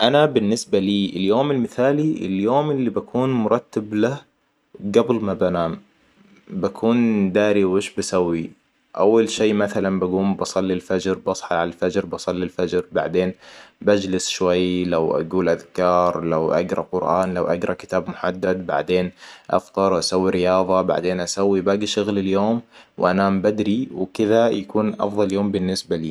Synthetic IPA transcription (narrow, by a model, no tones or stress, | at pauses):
ʔanabɪnːɪsbaliːʔɪljoːmɪlmɪθaːliʔɪ̰ljoːmʔɪlːibakʰuːnmʊɾˤɑt̪ːabla | ɡablmabanaːm | bakʰuːnd̪aːɾiwʔɪːʃbasawːi | ʔa̰wːalʃeːmaθalanbaɡuːmbɑsˤɑlːilfad͡ʒɾbɑsˤħɑʕalalfad͡ʒɾbɑsˤɑlːilfad͡ʒɾba̰ʕd̪eːnbad͡ʒlɪsʃwajlawʔa̰ɡuːlʔaðkɑːɾˤlawʔaɡɾˤɑqʊɾʔɑːnlawʔaɡɾˤɑkɪ̥t̪aːbmʊħad̪ːad̪ba̰ʕd̪eːnʔɑ̰ft̪ˤɑɾˤwʔasawːiɾɪjɑːðˤɑba̰ʕd̪eːnʔasawːibaːɡiʃʊɣlɪljoːmwʔanambad̪ɾiwkɪðajakuːnʔɑ̰fðˤɑljoːmbɪnːɪsbaliː